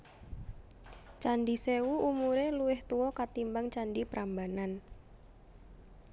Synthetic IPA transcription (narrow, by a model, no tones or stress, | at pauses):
t͡ʃanɖisewuʔumuɾeluwɪht̪uwɔkat̪imbaŋt͡ʃanɖipɾambanan